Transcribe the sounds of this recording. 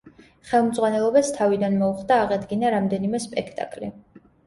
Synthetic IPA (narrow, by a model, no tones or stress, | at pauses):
χɛlˠmd̪zʁwanɛlˠɔbast̪ʰavid̪anmɔuχd̪aːʁɛd̪ɡinaɾamd̪ɛnimɛspʼɛkʰt̪ʼa̰kʼli